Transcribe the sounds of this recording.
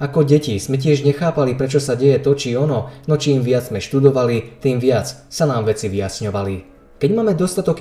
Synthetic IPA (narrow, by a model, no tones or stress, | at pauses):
akɔɟɛciz̥mɛc̬ɪɛʒɲɛxaːpalipɾɛt͡ʃɔsaɟɛjɛt̪ɔt͡ʃiɔnɔnɔt͡ʃiːmʋɪad͡zzmɛʃt̪ud̪ɔʋalit̪iːmʋɪat͡ssanaːmʋɛt͡siʋiasɲɔʋali | kɛɟmaːmɛd̪ɔst̪at̪ɔk